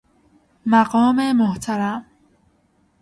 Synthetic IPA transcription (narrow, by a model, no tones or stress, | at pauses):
maɢɔːmemoht̪ʰaɾam